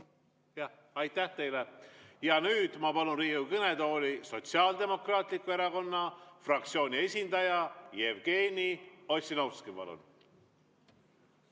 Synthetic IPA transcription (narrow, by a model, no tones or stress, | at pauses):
jɑ | ɑjt̪ːæht̪e̞jlejɑnyːd̪̥mɑpɑlunriːukɤned̪o̞ːliso̞t̪siɑːld̪e̞mo̞krɑːt̪ˑlikːˑueɾɑko̞nːɑfrɑk̚t̪sio̞ːnʲie̞sʲind̪̥ɑjɑjevɡ̥e̞ːnʲiosʲinɑwskipɑ̰lṵn